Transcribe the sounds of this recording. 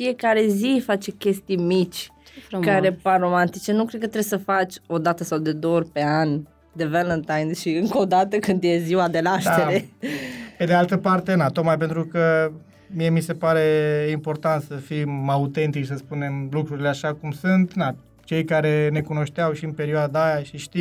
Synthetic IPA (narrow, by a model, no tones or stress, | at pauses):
fije̞kaɾe̞zifat͡ʃe̞kʲe̞st̪ijmit͡ʃʲ | kaɾeparo̞mant̪it͡ʃe̞nukɾed̪kət̪ɾesəfat͡ʃʲo̞d̪at̪əsawd̪e̞d̪ooorʲpe̞anʲ | d̪evelənt̪ajnʃiɨŋko̞d̪at̪əkɨnd̪je̞ziwad̪e̞laʃt̪eɾe | ped̪ealt̪əpart̪e̞nat̪ot̪majp̬e̞nt̪ɾukə | mije̞mise̞paɾeimpo̞rt̪ant̪səfiaut̪e̞nt̪it͡ʃsəspune̞mlukɾuɾileaʃakumsunt̪na | t͡ʃe̞jkaɾe̞ne̞kuno̞ʃt̪eawʃiɨnpe̞ɾioad̪aːjaʃiʃt̪iw